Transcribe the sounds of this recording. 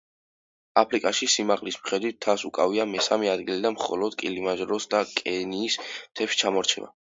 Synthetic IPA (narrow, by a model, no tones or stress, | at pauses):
apʰɾikʼaʃisimaʁlismχɛd̪wit̪ʰːasukʼaviamɛsamɛad̪ɡilid̪anmχɔ̰lɔd̪̥kʼilimaʒɾɔsd̪akʼɛniːsmt̪ʰɛpʃt͡ʃʰamɔɾt͡ʃʰɛ̰ba̰